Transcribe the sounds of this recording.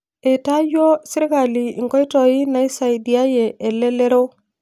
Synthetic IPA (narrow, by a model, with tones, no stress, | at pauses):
ɛ˨ta˦d͡ʒo˦si˦ɾi˦ka˨li˨i˨ŋkɔ˦i˦tɔ˨i˦na˨˦i˦sa˨i˨di˨a˦je˨ʔɛ˨lɛ˦le˦ɾo˦